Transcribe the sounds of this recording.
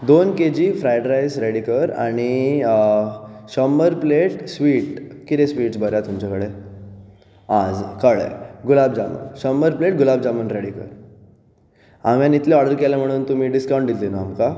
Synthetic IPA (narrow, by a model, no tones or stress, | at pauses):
d̪onked͡ʑiːfɾajɖɾajzɾeɽikəɾa̰ɽ̃i | ɕəmbəɾpleʈsʋiːʈkit̪esʋiːʈsbʱəɾjat̪umt͡ɕakəɽe | ad͡zkəɭḛɡulab̚d͡ʑamə̰nɕəmbəɾpleʈ̚ɡulabd͡zamənɾeɽikə̰ɾ | aʋ̤jãnit̪leɔɽəɾkelam̤əɽ̃uːnt̪um̤iːɖiskaw̃ɳɖd̪ilt̪inaamka